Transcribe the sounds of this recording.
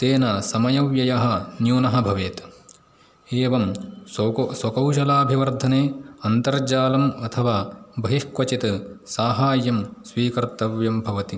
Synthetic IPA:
t̪eːnɐsɐmɐjɐwjɐjɐɦɐ̆njuːnɐɦɐbʱɐʋeːt̪ | eːʋɐm | swɐkɐwʃɐlaːbʱiʋɐɾd̪ʱɐneːɐnt̪ɐɾd͡ʒaːlɐmɐt̪ʰɐʋaːbʱɐɦihkʋɐt͡ʃit̪saːɦaːjɐmsʋiːkɐɾt̪ɐʋjɐmbʱɐʋɐt̪i

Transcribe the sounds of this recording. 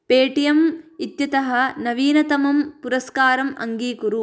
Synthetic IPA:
peːʈijɐmit̪jɐt̪ɐɦɐ̆nɐʋiːnɐt̪ɐmɐmpuɾɐskaːɾɐmɐ̰ŋɡiːkuɾu

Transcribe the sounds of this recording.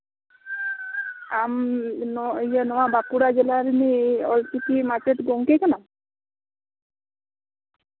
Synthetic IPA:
amnɔjənɔwabakuɽad͡ʒelaɾniɔlsikimat͡ʃeʈɡoŋkekanam

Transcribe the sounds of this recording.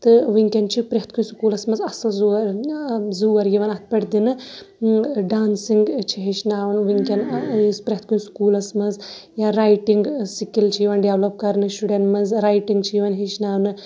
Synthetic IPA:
t̪ɨʋiŋkʲɐnt͡ʃʰipɾeɦt̪̚ʰkʰunskuːlɐsmɐzɐsɐlzuɐɾzuːɐɾjiʋɐnɐt̪̚ʰpɐʈd̪inɨ | ɖaːnsiŋɡt͡ʃʰiɦet͡ʃnaːʋɐnʋiŋkʲɐnspɾʲeɦt̪̚ʰkunskuːlɐsmɐnz | jaɾaːjʈiŋɡsikilt͡ʃʰijiʋɐnɖeʋlɐp̚kɐɾnɨsʈuɖenʈmɐnzɾaːjʈiŋɡt͡ʃʰijiʋɐnɦet͡ʃnaːwnɨ

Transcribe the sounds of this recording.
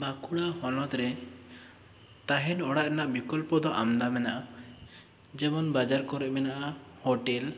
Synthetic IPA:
bakuɽahɔnɔt̪ɾɛ | t̪aɦɛnɔɽaʔnaʔbikɔlpɔd̪ɔʔa̰md̪amɛnaʔa | d͡ʒɛmɔnbad͡ʒaɾkɔɾɛʔmɛnaʔa | hoʈɛl

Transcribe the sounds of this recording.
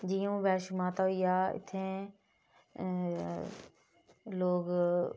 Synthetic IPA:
d͡ʒijũːbɛːʃmaːt̪aɦiaːɪ̰t̪ʰẽ | loːɡ

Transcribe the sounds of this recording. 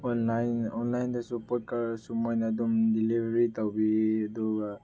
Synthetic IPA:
ɔnlajnɔnlajndasupɔt̚kaɾsɔmɔjnadɔmdilibʱaɾitawbiadɔ

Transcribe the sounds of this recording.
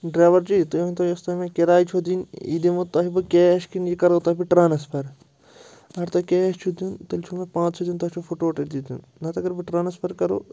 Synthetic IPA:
ɖɾaːʋɐɾd͡ʒit̪unt̪ojɐst̪ɐmẽkeɾaːjt͡ʃʰod̪inḭd̪imut̪ɐɦibɨkʲeːɐʃkinjikɐɾoːt̪ɐːɦbiʈɾaːnɐspʰɐɾ | ɐɾt̪okʲeɐʃt͡ʃʰud̪unt̪ɐlt͡ʃʰumẽpãːt͡ʃt͡ʃʰod̪ʲunt̪ɐt͡ʃʰofʰoʈoːʈɐd̪id̪jṵn | nɐt̪ɐɡɐɾbiʈɾaːnɐspʰɐɾkɐɾo̰ː

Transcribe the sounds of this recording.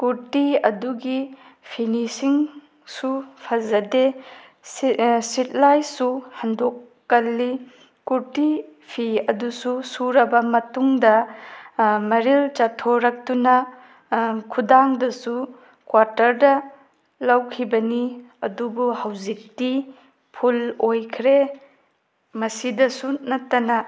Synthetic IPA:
kuɾtiɐduɡipʰinisiŋ | supʰɐzɐde | sit̚lajsuhɐndokː | ɐlːi | kuɾtipʰiɐdususuɾɐbɐmɐtuŋdɐ | mɐɾilt͡ʃatʰoɾɐk̚tunɐ | kʰudaŋdɐsu | kwaɾtɐɾdɐ | lawkʰibɐniɐdubuhawzik̚ti | pʰulojkʰɾe | mɐsidɐsunɐtːɐnɐ

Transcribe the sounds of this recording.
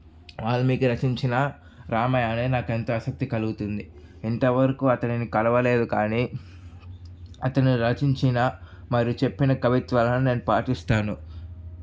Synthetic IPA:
ʋaːɭːɐmiːkuɾɐt͡ʃiɲt͡ʃinɐ | ɾaːmɐjaːneːnaːkent̪oːɐsɐk̚t̪ikɐluɡut̪und̪iint̪ɐʋɐɾɐkuɐt̪ɐninikɐlɐʋɐle̞ːd̪ukaːniː | ɐt̪ɐniɾɐt͡ʃiɲt͡ʃinɐmɐɾjut͡ʃe̞pːinɐkɐʋit̪ʋɐːlɐnune̞ːnupaːʈist̪aːnu

